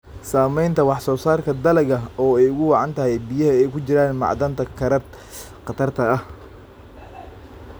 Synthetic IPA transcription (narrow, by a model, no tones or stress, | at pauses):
saːmɛjnt̪ʰɐwɑħsɔːsaːrkʰɐd̪ɐlɛɣɐɔːɛjʊɣʊwɑʕɑnt̪ʰɐɦɛjbijɐɦɐɛjkʰʊt͡ʃɪɾaːnmɑ̰ʕd̪ɐnt̪ʰɐkʰɾɐ | qɑt̪ʰɐrt̪ʰɐɐh